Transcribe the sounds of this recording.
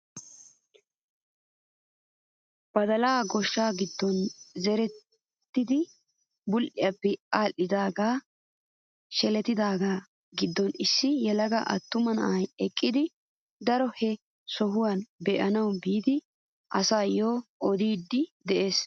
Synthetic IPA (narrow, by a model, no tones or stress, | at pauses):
b̥ɐd̪ɐlaːɡɔʃːaːɡɪd̪ːɔnzɛɾɛt̪ | t̪ːɪd̪ɪ | bʊlʔɪjapːɛaːlːɪd̪aːɡaː | ʃɛlɛt̪ːɪd̪aːɡaː | ɡɪd̪ːɔnɪsːɪjɛlɐɡaʔɐ̰t̪ːʊmɐnɐ̰ʔɐjɛkʼːɪd̪ɪ | d̪ɐɾɔhɛ | sɔɦʊwaːnbɛʔɐnɐwbiːd̪ɪ | ʔɐsaːjoːʔɔd̪iːd̪ːɪd̪ɛʔe̞ːs